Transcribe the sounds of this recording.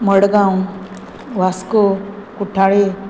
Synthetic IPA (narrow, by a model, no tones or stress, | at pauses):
məɽɡãũ | ʋaskokuʈʰaɽe